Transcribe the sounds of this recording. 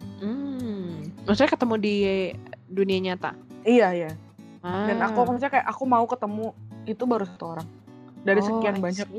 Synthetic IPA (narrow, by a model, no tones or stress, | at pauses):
m̩ | masuɲakət̪əmudi | duniaɲat̪a̰ijaja | danakukəsɲakaja̰ʔakumaukət̪əmuit̪ubaɾusat̪uoɾaŋ | daɾisəkianbaɲak̚